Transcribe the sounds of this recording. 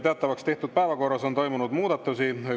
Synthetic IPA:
t̪eɑt̪ːˑɑvɑkst̪e̞ht̪ud̪̥̚pæevɑko̞rːɑsont̪o̞jmunud̪muːd̪ɑt̪ːˑusi

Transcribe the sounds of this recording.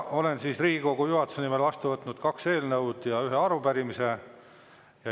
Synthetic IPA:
o̞le̞nsiːsriːɡ̥iko̞ɡ̥ujuɦɑt̪ːu̥senime̞lvɑst̪uvɤt̪ːˑnud̪̥kɑkse̞ːlnɤwd̪̥jɑyɦeɑɾupæɾimise̞ | jɑ

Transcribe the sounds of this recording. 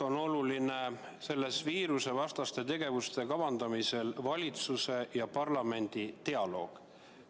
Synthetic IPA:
o̞no̞luline̞ | se̞lːe̞sviːɾuse̞vɑst̪ɑst̪e̞t̪e̞ɡ̥e̞vust̪e̞kɑvɑnd̪̥ɑmise̞lvɑlʲit̪suse̞jɑpɑrlɑme̞nʲd̪̥it̪e̞ɑlo̞̰ːɡ̥

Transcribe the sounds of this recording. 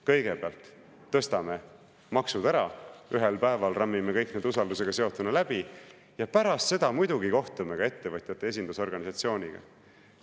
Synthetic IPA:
kɤ̞jɡ̥e̞b̥eɑlt̪ː | ɤ̞st̪ɑme̞ | mɑksud̪̥æɾɑyɦelpæe̞vɑlrɑmːime̞kɤjkne̞ːd̪usɑld̪use̞ɡ̥ɑse̞o̞t̪ːˑunɑlæb̥i | jɑpæɾɑst̪se̞d̪̥ɑmujd̪uɡiko̞ht̪umeɡɑe̞t̪ːe̞vɤt̪ʲjɑt̪ːˑe̞e̞s̬ʲind̪uso̞rɡ̥ɑnʲisɑt̪sio̞ːnʲiɡ̥ɑ̰

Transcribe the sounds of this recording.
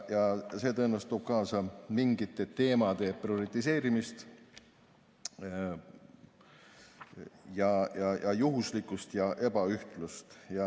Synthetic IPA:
jɑse̞ːt̪ɤenːɑst̪oːb̥̚kɑːsɑmiŋɡit̪ːˑe̞t̪e̞ːmɑd̪̥e̞prio̞ɾit̪ːˑis̬e̞ːɾimist̪ | jɑjɑjʔɑjuɦuslikːˑust̪jɑʔe̞bɑyht̪lust̪jɑ

